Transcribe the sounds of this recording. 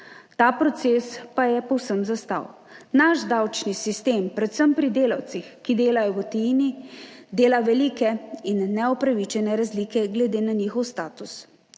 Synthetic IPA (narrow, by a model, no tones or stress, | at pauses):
t̪aːpɾɔt̪seːspajɛpɔwsəmzast̪a̰w | naʃd̪awt͡ʃnisist̪eːmpɾɛt̪səmpɾid̪eːlaw̪sixkid̪eːlajɔɡɔt̪ɛinid̪eːlaʋɛliːkɛinːɛɔpɾaʋit͡ʃɛnɛɾazliːkɛɡlɛd̪eːnaniːxɔwst̪aːt̪us